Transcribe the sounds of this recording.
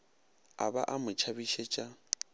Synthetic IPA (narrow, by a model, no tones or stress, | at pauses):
a̰ba̰ʔamʊt͡ʃʰabiʃɛt͡ʃʼa